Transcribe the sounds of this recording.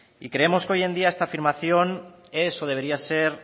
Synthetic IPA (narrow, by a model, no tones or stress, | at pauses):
ikɾe̞emo̞sko̞je̞nd̪iaest̪afiɾmaθjo̞n | e̞soð̞eβ̞e̞ɾiaseɾ